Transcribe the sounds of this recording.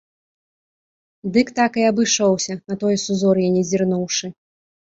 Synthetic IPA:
d̪ɨkt̪akɨɐbɨʂɔwsʲɐnɐt̪ɔjsuzɔrjanʲɛzʲirnuwʂɨ

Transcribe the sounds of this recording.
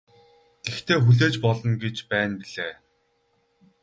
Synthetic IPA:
ɡ̪̥ext̪ʰeːxuɮeːt͡ɕpɔɮɞ̆nɡet͡ɕpæːnpiɮeː

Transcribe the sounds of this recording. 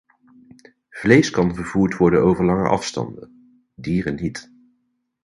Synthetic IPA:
v̥lejskɑnvəɹv̥uːɹtʋɔɹdənowvəɹlɑŋə̰ʔɑ̰fstɑ̰ndə̰n | diːrənɦit

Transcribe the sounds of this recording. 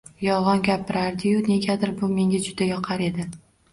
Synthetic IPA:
jɒʁɒnɡʲapʰːɪɾaɾd̪ɪjʊne̞ɡʲad̪ɪɾbʊme̞ŋɡʲad͡ʒʊd̪ajɒqʰaɾe̞d̪ɪ

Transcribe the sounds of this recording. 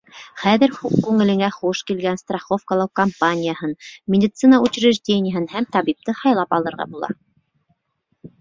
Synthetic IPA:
χæðɘɾukʉŋɘ̆lɘ̆ŋæχuʃkilɡænst̪raχofkəlˠɑwkɐmpanʲɪjəhɤnmʲɪdʲɪt̪sɨnəut͡ɕɪɾɘ̆ʒdʲenʲɪjaɦɘnhæmt̪ɑbip̚t̪ɤhɑjlˠɑpɑlˠɤ̆ɾʁɑ̰bulˠɑ̰

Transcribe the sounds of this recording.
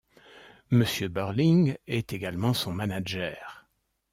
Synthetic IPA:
məsjøbœʁliŋɛt̪eɡalmɑ̃sɔ̃manaʒɛːʁ

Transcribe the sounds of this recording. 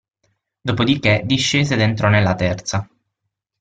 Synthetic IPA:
d̪oːpod̪iked̪iʃːeːzed̪ent̪ɾonelːat̪ɛrt̪sa

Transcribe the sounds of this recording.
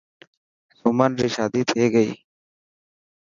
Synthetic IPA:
sumənɾiʃaːd̪it̪ʰeːɡəi

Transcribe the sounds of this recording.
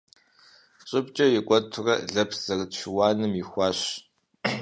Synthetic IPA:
ɕʼɪpt͡ʃʼɐjɪkʷʼɔtʰʊrɐɮɐpʰz̥ɐrɨtʃʊwaːnɨmjixʷɑːɕ

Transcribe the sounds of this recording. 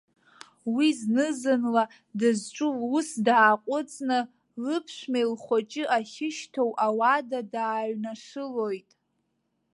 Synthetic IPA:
wiznɨzɨnla | dɨzʈ͡ʂʷʼuusdaːqʷʼʊt͡sʼnɨ | lɨpʰʃʷmejlχʷat͡ʃʼɪʔaχʲɪʃtʰowʔawadadaːɥnaʂɨlojtʼ

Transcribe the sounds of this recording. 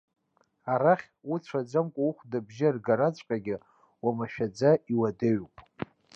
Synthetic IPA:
aɾaχʲuʈ͡ʂʷʰad͡zamkʷʼauχʷdabʒɪrɡaɾat͡sʷʼqʲʼaɡʲɪ | wamaʃᶣad͡zaiwadɨɥpʼ

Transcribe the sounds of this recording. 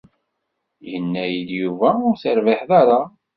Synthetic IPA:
jənːæjəd̪juvæʊɾθəɾvɪħðaɾa

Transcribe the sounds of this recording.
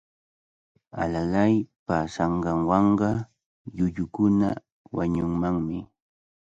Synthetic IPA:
a̰lalajpaːsɑɴɢɑŋwɑɴɢɑ | ʎʊʎʊkʊna̰ | waɲʊŋmaŋmɪ

